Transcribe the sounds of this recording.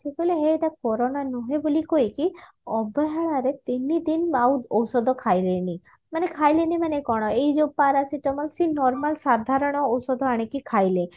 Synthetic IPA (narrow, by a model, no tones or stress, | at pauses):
seboleɦeːʈakɔɾonanɔɦebolikojki | ɔbɔɦaɭaɾet̪inid̪inawɔwsɔd̪ʱɔkʰajleni | manekʰajlenimanekɔɽ̃ɔejd͡ʒopaɾasiʈɔmɔlsinɔɾmalsad̪ʱaɾɔɽ̃ɔːwsɔd̪ʱɔaɽ̃ikikʰajle